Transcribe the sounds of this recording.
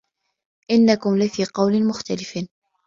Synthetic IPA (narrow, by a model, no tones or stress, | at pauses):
ʔɪnːakʊmlɪfiːqɑwlɪnmʊxt̪alɪf